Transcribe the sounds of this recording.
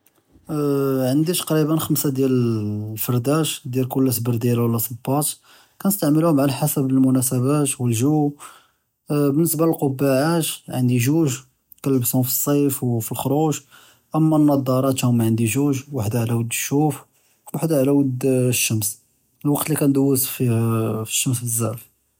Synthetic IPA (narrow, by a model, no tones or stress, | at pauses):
ʕənd̪it̪qɾibənxəmsad̪jælfəɾˤd̪æʃd̪jælkʊlːæsbəɾˤd̪jælwəlːæsˤəbːɑt̪ | kænəst̪aʕməluhʊmʕalæħasəbəlmʊnæsəbæt̪wəlʒu | bənːəsbaləlqobːaʕaʃʕənd̪iʒuʒ | t̪kælːəbsʊmfi̥sˤːɑjfwfilxɾˤuʒ | ʔəmːænːɑd̪ˤɑɾˤɑt̪hʊmːaʕənd̪iʒuʒwaħd̪aʕlæwəd̪ːəʃːuf | waħd̪aʕlæwəd̪ːʃːəms | lwɑqt̪likænd̪əwːəsfifi̥ʃːəmsəzːæf